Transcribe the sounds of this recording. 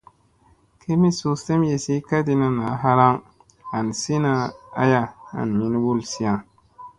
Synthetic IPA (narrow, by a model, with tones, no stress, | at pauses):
kʰe˦mi˦su˨se˦mje˨si˦ka˦di˦na˨na˨˦ɦa˦ɾa˦ŋ | a˨n˨si˦na˦a̰˦ja˦a̰˨n˨mi˦n˦wu˦˨lsi˦a˨